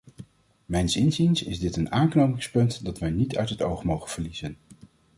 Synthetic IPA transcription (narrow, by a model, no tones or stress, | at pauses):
mɛjnsɪnzinsɪzdɪtənaːŋknowmɪŋspɵntdɑtʋɛjnitʰœ̰ɥtɦəto̰wχmowχənv̥əɹlizən